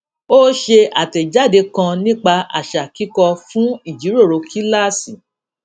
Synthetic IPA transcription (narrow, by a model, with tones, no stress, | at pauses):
o˦ʃe˧a˨tɛ˨d͡ʒa˦˨de˧kã˧nĩ˦k͡pa˧a̰˨ʃa˨ki˦kɔ˧fũ˦i˦˨d͡ʒi˨˦ɾo˦˨ɾo˨˧kʰi˦la˦˨si˨